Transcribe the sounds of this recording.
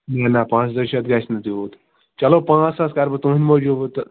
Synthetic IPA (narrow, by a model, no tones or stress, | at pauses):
nanapãːt͡sd̪ɐɾʃɐt̪ɡasnɐt̪ioːt̪ | t͡ʃɐlopãːt͡sɐskaːɾbɐt̪ũːinʲmoːd͡ʒuːbt̪